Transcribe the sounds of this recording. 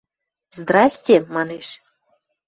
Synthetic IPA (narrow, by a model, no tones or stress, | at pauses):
zd̪rɑsʲtʲemɑneʃ